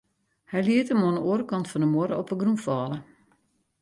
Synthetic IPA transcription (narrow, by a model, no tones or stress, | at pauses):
hɛjliətəmonoəɾəkɔntfɔndəmoɾəɔpəɡrũmfɔːlə